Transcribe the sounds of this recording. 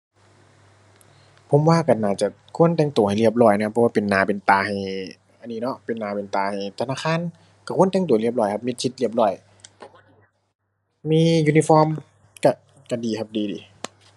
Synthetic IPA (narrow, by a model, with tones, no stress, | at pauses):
pʰo˧˦mwaː˧˨ka˧˩naː˧˩t͡ɕa˧˩ | kʰu˧˥˨ənt̪ɛː˧˩ŋt̪u˨˦ha˨˩jli˧˩əp̚lɔː˧˩jna˧kʰa˧pʰːɔ˧wːpe˨nːaː˨˦pe˨nt̪aː˨˩ha˨˩j | ʔa˨nːiː˧nɔ˧˥ʔpe˨˩nːaː˨˦pe˨nt̪aː˨˩ha˨˩jt̪ʰa˧naː˧˥˨kʰaː˧˥˨n | ka˧˩kʰə˨nt̪ɛ˧˥ŋt̪u˨˦li˧˩əp̚lɔː˧˩jkʰa˧p̚mi˧t̪̚sʰi˧˦t̪̚li˧˩əp̚lɔː˧˩˨j | miː˧˥˨juː˧ni˧fɔː˧˥˨m | ka˧˩ | ka˧˩diː˨kʰa˧p̚diː˨˩diː˨˦